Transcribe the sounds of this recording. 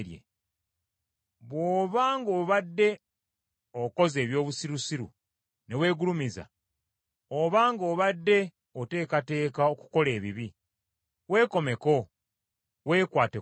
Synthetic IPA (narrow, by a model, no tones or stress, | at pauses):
ɾjḛ | βwoːβaːŋɡo̞ːβadːe̞ | oko̞ze̞ːβjo̞ːβusiɾusiɾṵ | ne̞we̞ːɡulumiza̰ | oβaːŋɡo̞ːβadːe̞ | ote̞ːkate̞ːkao̞ku̥ko̞le̞ːβiβi | we̞ːko̞me̞ko̞ | we̞ːkwaːte